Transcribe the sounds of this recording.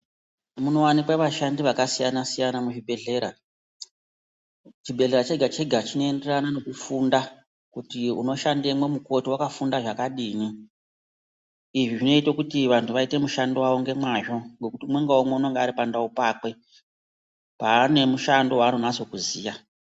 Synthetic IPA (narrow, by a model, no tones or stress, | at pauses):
muno̞wanikwaʋaʃandiʋakasijanasijanamuʐibʱe̞ɮe̞ɾa | t͡ʃibʱe̞ɮe̞ɾat͡ʃeɡʱat͡ʃeɡʱat͡ʃino̞ende̞ranano̞kufunda | kutiuno̞ʃandemwe̞muko̞tiwakafundaʐakaɗiːni | iʐiʐino̞itokutiʋantʰuʋaite̞muʃandowaʋoŋɡe̞mwaʐo̞ŋɡe̞kutimwe̞ŋɡaome̞uno̞ŋɡaːɾipandaupaːkwe̞ | paːne̞muʃando̞waːnonaso̞kuziːja